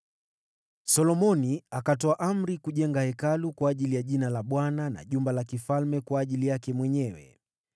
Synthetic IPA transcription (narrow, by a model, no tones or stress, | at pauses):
sɔlɔmɔniakatɔaʔam̩ɾikuʄɛŋɡahɛkalukwaːʄilijaʄinalaɓwanana̰ʄumbalakifalmɛkwaːʄilijakɛmwɛɲɛwɛ̰